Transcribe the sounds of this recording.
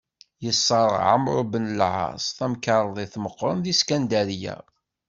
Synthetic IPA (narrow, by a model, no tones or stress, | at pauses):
jəsˤːɑɾ̰ˤʕa̰mɾˤobənlʕɑ̰sˤθæmkɑɾˤðˤeθməqːɾˤənðiskænd̪æljæ̰